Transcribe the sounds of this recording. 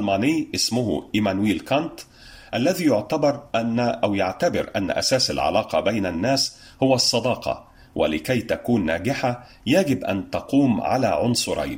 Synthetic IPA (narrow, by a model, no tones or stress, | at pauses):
lmaːnɪːʔɪsmʊɦʔɪmænwiːlkɑnt̪ | ʔalːæðiːjʊʕt̪abɑɾˤʔʔawjaʕt̪abɪɾʔan̰ːʔæ̰saːsa̰lʕa̰lɑːqɑbajnanːæːs | hʊwæsˤːɑd̪ɑːqʰɑ̰ | wʔɪ̰lɪkæjt̪akuːnːaːɡɪħa | jæɡɪbʔa̰nt̪ɑquːmʕa̰la̰ːʕʊnsˤʊɾˤɑ̰jn